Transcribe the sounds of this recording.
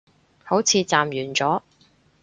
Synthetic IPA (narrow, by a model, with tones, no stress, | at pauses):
ho˨˥wt͡sʰiː˨˧t͡saː˨mjyː˨˩nt͡sɔː˨˥